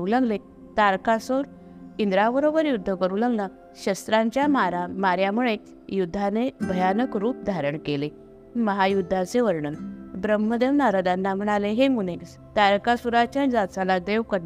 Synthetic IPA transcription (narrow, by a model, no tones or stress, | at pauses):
ulaɡle | t̪aɾkasuɾ | ind̪ɾabəɾobəɾjud̪ʱːəkəɾulaɡla | ɕəst̪ɾãɲt͡ɕjamaɾamaɾjamuɭe | jud̪ʱːanebʱəjanəkɾuːp̚d̪ʱaɾəɳkele | məɦajud̪ʱːat͡seʋəɾɳənbɾəməd̪jəmnaɾad̪anːam̤əɽ̃aleɦemunes | t̪aɾkasuɾat͡ɕjanid͡zat͡salad̪eʋkəɾna